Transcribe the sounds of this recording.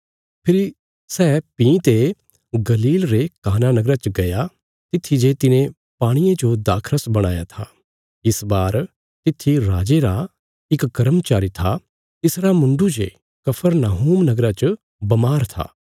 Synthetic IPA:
pʰɪɾi | sɛːpĩːt̪e | ɡɐliːlɾekaːnanɐɡɾat͡ʃəɡɐja | t̪ɪt̪ʰːid͡ʒet̪ɪnẽ | paːɽ̃ijed͡ʒod̪aːkʰɾəsbɐɽ̃aːjat̪ʰaː | ɪsbaːɾ | t̪ɪt̪ʰːiɾaːd͡ʒeɾa | ɪkɡɐɾəmt͡ʃaːɾit̪ʰa | t̪ɪsɾamʊ̃ɳɖud͡ʒḛ | kɐpʰəɾnaːɦuːmnɐɡɾat͡ʃə | bɐmaːɾt̪ʰa̰ː

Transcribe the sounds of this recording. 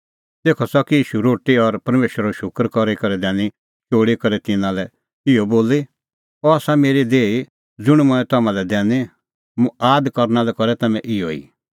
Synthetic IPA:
t̪eːkʰɔsɔkiiːʃuɾoːʈiɔɾpɐɾmeːʃɾaɔʃʊkɾkɔɾikɔɾɛd̪ɛ̃ːni | t͡ʃoːɽikɔɾɛt̪ɪnãlɛ | ɪjɔboːli | ɔaːsameːɾid̪eːi | d͡zʊɽ̃mʊ̃ɛ̃t̪ɐmãlɛd̪ɛːni | mũaːd̪kɔɾnalɛkɔɾɛt̪ɐmɛ̃ʔɪjɔ̰ḭː

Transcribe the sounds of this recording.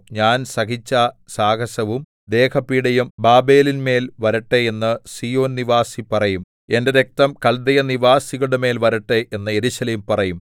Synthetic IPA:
ɲaːnsɐkit͡ɕːɐsaːɡɐsɐʋum | d̪e̞ːkʰɐpːiːɽɐjumbaːbe̞ːlinme̞ːlʋɐɾiʈːeenːɨsijo̞ːnniʋaːsipɐrɐjum | e̞nde̞ɾe̞k̚t̪ɐmkɐld̪ɐjɐniʋaːsiɣɐɽeme̞ːlʋɐɾiʈːeʔenːɨe̞ɾuɕɐleːmpɐrɐjum

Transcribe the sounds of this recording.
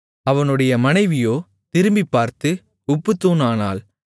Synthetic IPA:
ɐʋɐnɯɽɐjɐmɐnɐɪʋɪjoː | t̪ɪɾɯmbipːaːɾt̪ɯ | ʊpːɯt̪ːuːnaːna̰ːl

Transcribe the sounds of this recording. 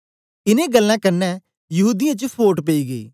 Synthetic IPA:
ɪnẽːɡəlːãːkəɾnɛː | jɐɦuːd̪ɪjãt͡ʃpʰoːʈpeiːɡḛiː

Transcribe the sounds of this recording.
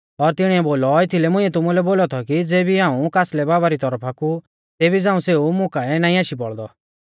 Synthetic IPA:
ɔɾt̪ɪɽ̃iɛboːlɔet̪ʰilɛmʊ̃iɛt̪ʊmulɛboːlɔt̪ʰɔkid͡zeːbiɦãːũkaːslɛbaːbaɾit̪ɔɾəpʰaku | t̪eːbid͡zãːũseːumʊ̃kaɛnaːĩaːʃipɔ̰ɽd̪ɔ̰

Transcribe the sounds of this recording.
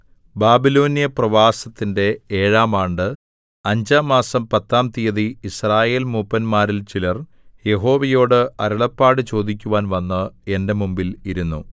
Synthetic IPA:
baːbilo̞ːnijɐprɐʋaːsɐt̪ːinde̞eːɻaːmaːɳɖɨ | ɐɲd͡ʑamaːsɐmpɐt̪ːaːmt̪ijɐðiisraːje̞ːlmupːɐnmaːɾilt͡ɕilɐr | je̞ɦo̞ːʋɐjo̞ːɽɨɐɾuɭɐpːaːɽɨt͡ɕo̞ːd̪ik̬ʲːuʋaːnʋɐnːɨe̞nde̞mumbiliɾunːṵ

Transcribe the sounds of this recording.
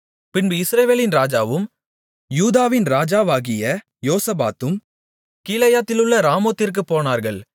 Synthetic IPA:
pɪnbɯɪsɾɐːʋeːlɪnɾaːd͡ʒaːʋɯm | juːðaːʋɪnɾaːd͡ʒaːʋaːɣɪjɐ | joːsɐbaːt̪ːɯm | kiːlɐjaːt̪ːɪlɯɭːɐɾaːmoːt̪ːɪɾk̬ɯpoːnaːɾɣɐɭ

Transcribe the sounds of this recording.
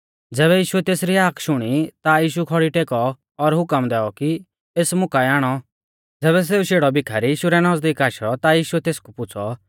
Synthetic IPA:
d͡zɛːβɛjiːʃʊɛt̪eːsɾiɦaːkʰʃʊɽ̃it̪ajiːʃ̬ukʰɔɽiʈeːkɔː | ɾɦʊkəmd̪ɛːɔki | eːsmʊkaɛaːɽ̃ɔ | d͡zɛːβɛs̬eːuʃeːɽɔbɪkʰaɾijiːʃuɾɛnɔd͡zd̪iːkaːʃɔt̪ajiːʃuɛt̪eːskupʊt͡sʰɔ

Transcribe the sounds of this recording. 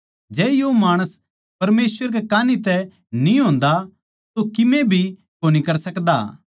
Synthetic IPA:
d͡ʒɛːjomaːɽ̃əs | pɐɾmeːsʋəɾkekaːnit̪ɛ | nĩɦõːnd̪a | t̪okɪmẽbʱi | koːnikɐɾsɐkd̪aː

